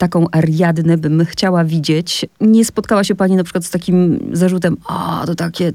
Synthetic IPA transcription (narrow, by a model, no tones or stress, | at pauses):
t̪akɔ̃w̃ʔaɾjad̪nɛbɘmxt͡ɕawavʲid͡ʑet͡ɕɲɛspɔt̪̚kawaɕɛpaɲinapʂɘkwat̪st̪akʲimzaʐut̪̬ɛma̰t̪ɔt̪akʲɛ